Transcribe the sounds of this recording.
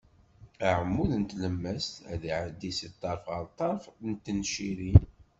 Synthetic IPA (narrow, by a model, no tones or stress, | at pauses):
əʕəmːuðnt̪ləmːəst̪æðiʕəd̪ːisit̪ˤːɑɾˤfʁəɾt̪ˤːɑɾˤfnt̪ːənʃiɾi